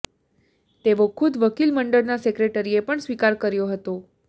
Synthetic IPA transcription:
t̪eʋokʰʊd̪ʋəkilməɳɖəɾnasekɾeʈəɾiepəɳsʋikaɾkəɾjoɦət̪o

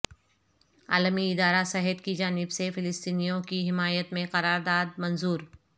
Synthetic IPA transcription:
a̰ːləmiɪd̪aːɾasɛɦəd̪kid͡ʒaːnɪbsefɪlɪst̪iːnijõkiɦɪmaːjət̪mẽqɐɾaːɾd̪aːd̪̚mɐnzuːɾ

